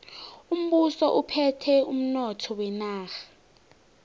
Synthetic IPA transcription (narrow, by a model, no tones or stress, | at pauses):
um̩ɓusɔʔupʰɛtʰɛum̩nɔtʰɔwɛnaːxḁ